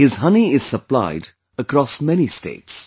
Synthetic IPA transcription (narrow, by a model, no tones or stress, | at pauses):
hɪzɦʌniɪz̥səpla̰ɪd | əkɾɔsmɛnistḛɪts